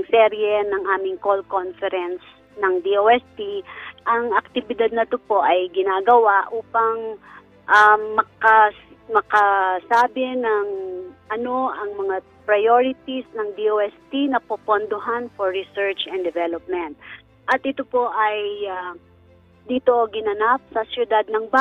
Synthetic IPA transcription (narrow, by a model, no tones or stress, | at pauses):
ɐŋsɛɾjɛnɐŋʔaːmɪŋkolkonfɛɾɛns | nɐŋd̪iʔoɛst̪iʔɐŋɐk̚t̪ɪbɪd̪ad̪̚nɐt̪opo̞ʔɐjɡɪnaːɡɐwaʔʔuːpɐŋ | ʔaːɐkɐ | mɐkɐsaːbɪnɐŋʔɐno̞ʔɐŋmɐŋa | pɾɐjoɾɪt̪isnɐŋd̪ioːɛst̪inɐpopond̪oɦanfoɹːɪsɛɹt͡ʃɛnd̪ɛvɛlop̚mɛnt̪̚ | ʔɐt̪ʔɪt̪opo̞ʔɐja | d̪iːt̪oʔɡɪnɐnap̚sɐsjʊd̪ad̪̚nɐŋba